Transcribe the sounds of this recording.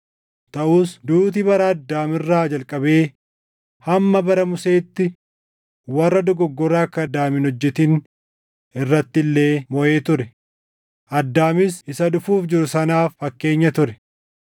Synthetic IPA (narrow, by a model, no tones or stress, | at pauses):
t̪ɐʔuːsd̪uːt̪̬ɪbɐɾɐɐd̪ːaːmɪrːaːd͡ʒɐlkʼɐbe̞ː | hɐmːɐbɐɾɐmʊseːt̪ːɪ | wɐrːɐd̪ɔɡɔɡːɔɾaːkːɐd̪aːmɪnɔd͡ʒːɛt̪ɪn | ɪrːɐt̪ːɪlːe̞ːmɔʔe̞ːt̪ʊɾɛ | ʔɐd̪ːaːmɪsɪsɐᶑʊfuːfd͡ʒɪɾʊsɐnaːfːɐkːe̞ːɲːɐt̪ʊɾɛ